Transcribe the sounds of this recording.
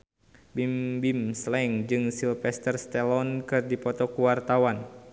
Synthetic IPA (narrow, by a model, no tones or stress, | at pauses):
bimbimslɛŋd͡ʒɨŋsilfɛst̪ərst̪ɛlɔnkɨrdipɔt̪ɔkuwart̪awan